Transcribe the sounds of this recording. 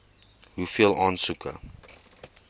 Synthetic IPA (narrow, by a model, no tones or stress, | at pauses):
ɦufiəlˠɑːnsukʰə̰